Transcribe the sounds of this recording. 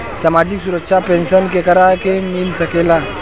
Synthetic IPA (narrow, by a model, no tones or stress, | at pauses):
saːmaːd͡ʒɪksʊɾəkʃapẽːnʃənkekɐɾaɦkemɪlsɐkeːlaː